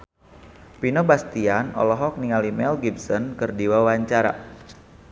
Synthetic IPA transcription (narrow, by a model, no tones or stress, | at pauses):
pinobast̪ianɔ̰lɔɦɔk̚niŋalimɛlɡibsɔnkɨrdiwawaɲt͡ʃaɾa̰